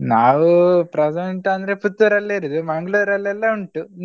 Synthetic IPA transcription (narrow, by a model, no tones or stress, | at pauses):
naːʋupɾɐseɳʈɐnd̪ɾeput̪ːɐɾɐlːɐiɾud̪umɐŋɡɭuɾɐlːɛlːɐuɳʈun